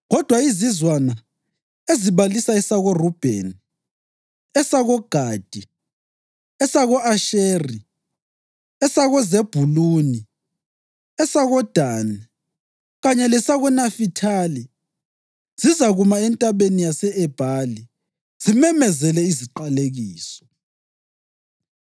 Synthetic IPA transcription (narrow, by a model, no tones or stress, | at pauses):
ɣɔd̥ʱwaizizwana | eziβalisaɛsaɣɔrub̥ʱɛ̰n | ɛsaɣɔɡ̥ʱaːd̥ʱi | ɛsaɣɔaʃeːri | ɛsaɣɔzeb̥ʱuluːni | ɛsaɣɔd̥ʱaːna | ɣaɲɛlɛsaɣɔnafitʰali | z̥izaɣumaɛntʼaβenijasɛɛb̥ʱali | z̥imɛmɛzɛlɛiziǃaleɣiːsɔ̥